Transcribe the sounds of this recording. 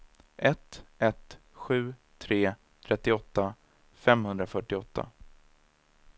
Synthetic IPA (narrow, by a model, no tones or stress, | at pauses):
ʔɛt̪ʔɛt̪ɧʉ̟ːt̪ʰɾeː | t̪ʰɾɛt̪ːɪɔt̪ːa | fɛmhɵnd̪ɾafœʈːɪɔt̪ːa̰